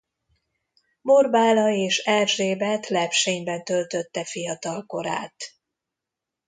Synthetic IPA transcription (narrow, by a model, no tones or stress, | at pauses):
morbaːlɒeːʃɛlʒeːbɛt̪lɛpʃeːɲbɛnt̪ø̞lt̪ø̞t̪ːɛfijɒt̪ɒlko̞ɾa̰ːt̪